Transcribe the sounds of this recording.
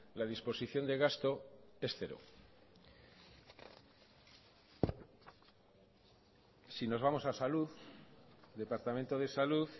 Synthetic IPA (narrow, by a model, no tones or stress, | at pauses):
lað̞ispo̞siθjo̞nd̪e̞ɣ̞ast̪o̞e̞sθe̞ɾo̰ | sino̞zβamo̞sasaluð | d̪e̞paɾt̪ament̪o̞ðe̞saluθ